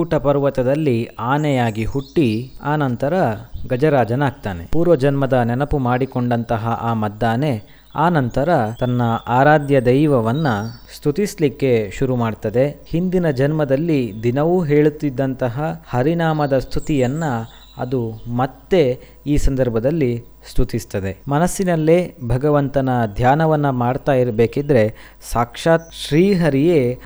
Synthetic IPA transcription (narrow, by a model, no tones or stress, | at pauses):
puːʈɐpɐɾʋɐt̪ɐd̪ɐlːiaːnɛjaːɡihuʈːiaːnɐnt̪ɐɾɐɡɐd͡ʒɐɾaːd͡ʒɐnaːɡ̚t̪aːnepuːɾʋɐd͡ʒɐnmɐd̪ɐnɛnɐpumaːɽikoɳɖɐnt̪ɐɦɐʔaːmɐd̪ːaːne | aːnɐnt̪ɐɾɐt̪ɐnːɐʔaːɾaːd̪jɐd̪ɐjʋɐʋɐnːɐst̪ʰut̪islikːe̞ʃuɾumaːɖt̪ɐd̪e̞hind̪inɐd͡ʒɐnmɐd̪ɐlːid̪inɐʋuɦe̞ːɭut̪ːid̪ːɐnt̪ɐɦɐhɐɾinaːmɐd̪ɐst̪ʰut̪ijɐnːɐ | ɐ̰d̪umɐt̪ːe̞ | iːsɐnd̪ɐɾbʱɐd̪ɐlːi | st̪ʰut̪ist̪ɐd̪e̞mɐnɐsːinɐlːeːbʱɐɡɐʋɐnt̪ɐnɐd̪ʱjaːnɐʋɐnːɐmaːɖt̪aːjiɾɐbe̞ːkid̪ɾe̞ | saːkʂaːt̪̚ʃɾiːɦɐɾijeː